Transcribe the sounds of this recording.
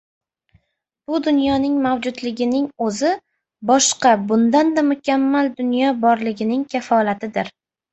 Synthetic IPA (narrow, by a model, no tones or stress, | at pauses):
b̥ʊd̪ʊnjɒnɪŋmawd͡ʒʊd̪lɪɡʲɪnɪŋɵzɪ | bɒʃqɑbʊnd̪and̪amʊkʲamːald̪ʊnjɒbɒɾlɪɡʲɪnɪŋkʲʰafɒlat̪ʰɪd̪ɪɾ